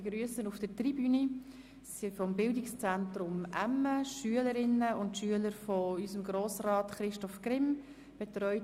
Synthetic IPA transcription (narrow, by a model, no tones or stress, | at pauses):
eɡ̥ɾyəsənufd̥ətribyni | sifɔmbɪldɪkst͡sæntɾʊmʔæmːəʃyələɾɪnːəʊntʃyələɾfɔysəmɡɾoːsrɑːtχɾɪʃtɔfkrɪm | b̥ɛtrœʏ